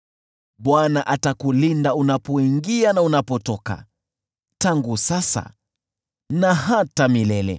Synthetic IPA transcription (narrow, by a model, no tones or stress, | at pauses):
ɓwanaʔatakulindaunapɔiŋɡianaunapɔtɔka̰ | taŋɡusasa̰ | nahatamilɛlɛ̰